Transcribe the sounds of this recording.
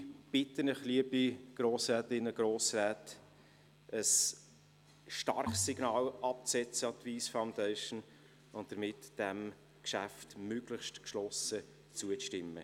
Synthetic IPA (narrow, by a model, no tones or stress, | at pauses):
b̥ɪtənəχliəbiɡ̥ɾoːsɾɛːtɪnːəɡ̥ɾoːsɾɛːt | əs | ʃtɑɾχsːiɡ̥nɑːlʔɑp̚t͡sɛt͡səɑt̪viːsfaʊndɛɪʃən | ʊnt̚d̥əɾmɪtd̥ɛm | kʃæftmøɡlɪχʃtkʃlɔsə | t͡suəʃtɪmːə̰